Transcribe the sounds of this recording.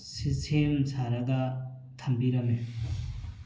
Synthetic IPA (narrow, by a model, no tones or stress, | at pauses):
sistʰemsʰaɾɐɡa | t̪ʰɐmbiɾɐme